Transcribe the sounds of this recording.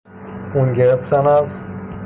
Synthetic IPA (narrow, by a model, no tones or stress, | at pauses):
unɟeɾeft̪ʰænæz